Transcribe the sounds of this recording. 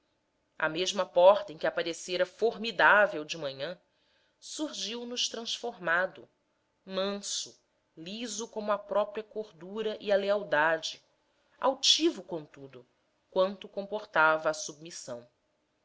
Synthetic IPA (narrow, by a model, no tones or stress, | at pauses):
ɐ̰meʒmɐpɔɾt̪ɐẽkʲɪapaɾeseɾɐfoɾmid̪avewd͡ʒɪmɐ̃ɲɐ̃ | suɾʒiwnʊʃt̪ɾɐ̃ʃfoɾmad̪ʊ̰ | mɐ̃sʊ | lizʊkõmʊɐpɾɔpɾiɐkoɾd̪uɾɐʔiɐleawd̪ad͡ʒɪ | a̰wt͡ʃivʊkõt̪ud̪ʊ | kwɐ̃nt̪ʊkõpoɾt̪avɐːsub̚misɐ̰̃w̃